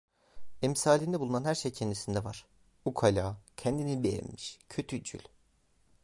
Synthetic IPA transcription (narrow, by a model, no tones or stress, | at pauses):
ɛmsaːlʲiːnd̪ɛbulˠunanhæɾʃejcʰɛnd̪isind̪ɛvaɾ̥ | ukʰalʲaːcʰɛnd̪inibejɛ̰nmiʃcʰø̞t̪ʰyd͡ʒy̰lʲ